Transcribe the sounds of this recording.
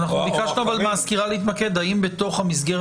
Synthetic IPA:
naχnubikaʃnuavalmaːskiʁaleit̪make̞d̪aimbet̪o̞χhamisɡeʁ

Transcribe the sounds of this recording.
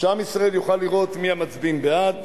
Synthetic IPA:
ʃamisʁaeljuχalːiʁo̞t̪miamat͡sbinbead̪

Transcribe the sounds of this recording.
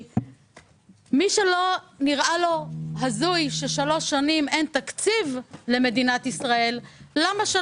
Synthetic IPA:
miʃe̞lo̞niʁʔalo̞ɦazujʃe̞ʃalo̞ʃːanime̞nt̪akt͡sivle̞me̞d̪inat̪isʁae̞lːamaʃe

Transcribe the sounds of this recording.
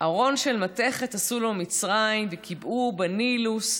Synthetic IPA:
ʔaʁo̞nʃe̞lmat̪e̞χe̞t̪asulo̞mit͡sʁaimvekʰibubanilus

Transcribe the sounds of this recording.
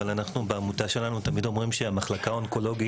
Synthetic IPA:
alanaχnubeamutaʃe̞lanut̪amid̪o̞mʁimʃeamaχlakaonko̞lo̞ɡi

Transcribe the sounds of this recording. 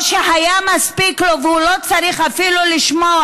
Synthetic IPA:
ʃeɦajamaspiklovhulot͡saɾiχafiluliʃmo

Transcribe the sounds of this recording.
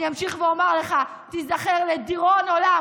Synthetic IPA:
iamʃiχveomaʁleχa | t̪izaχeʁlediʁonola

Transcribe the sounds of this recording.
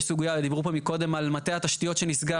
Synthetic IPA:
suɡujaved̪ibʁupomiko̞d̪e̞malmat̪eat̪aʃt̪ijo̞t̪ʃe̞nisɡa

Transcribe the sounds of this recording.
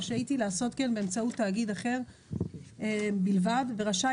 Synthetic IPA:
ʃeait̪ilaaso̞tkenbeeːmt͡saut̪ːaːɡidaχe̞ʁ | bilvadve̞ʁaʃa

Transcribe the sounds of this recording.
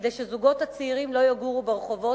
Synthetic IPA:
d̪ejʃezuɡo̞t̪hat͡seiʁimlo̞jaɡuʁubeʁeχo̞vo̞

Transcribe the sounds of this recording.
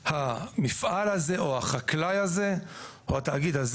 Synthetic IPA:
hamifʔalhazeʔohaχaklajhaze̞ | oataːɡid̪az

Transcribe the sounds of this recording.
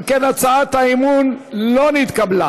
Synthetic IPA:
mkenat͡saat̪haimunlonit̪kabla

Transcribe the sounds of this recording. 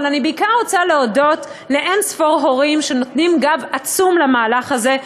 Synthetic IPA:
lanibeikaʁot͡saleodo̞t | le̞ʔensfoʁɦo̞ʁimʃe̞no̞tnimɡavat͡sumlamaːlaχaze̞

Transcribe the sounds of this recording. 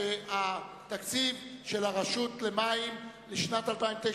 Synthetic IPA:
ea | t̪akt͡sivʃelaʁaʃut̪lemaim | leʃnat̪alpaimvt̪e

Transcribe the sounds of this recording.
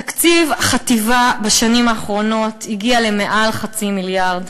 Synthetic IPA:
takt͡sivaχativabaʃanimaːχʁo̞no̞tiɡiale̞me̞ʔalχat͡similjaʁd

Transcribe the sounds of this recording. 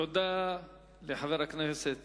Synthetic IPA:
od̪a | leħaveʁakneset̪

